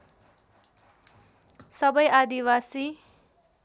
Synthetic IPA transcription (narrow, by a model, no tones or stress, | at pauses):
sʌbʌjad̪iwasi